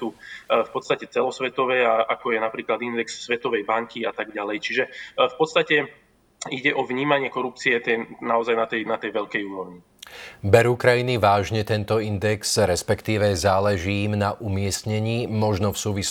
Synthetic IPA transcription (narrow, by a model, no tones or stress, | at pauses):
ufpɔt̪st̪acɛt͡sɛlɔsʋɛt̪ɔʋɛaakɔjɛnapɾiːklad̪ind̪ɛksːʋɛt̪ɔʋɛjbaŋkiat̪aɡɟalɛjt͡ʃiʒɛfpɔt̪st̪acɛ | iɟɛʔɔʋɲiːmaɲɪɛkɔɾup̚t͡siɛt̪ɛnaɔzajnat̪ɛjnat̪ɛjʋɛʎkɛjuːɾɔʊɲi | bɛɾukɾajiniʋaːʒɲɛt̪ɛnt̪ɔind̪ɛksɾɛspɛkt̪iːʋɛzaːlɛʒiːmnaʔumɪɛst̪ɲɛɲiːmɔʒnɔfsuːʋis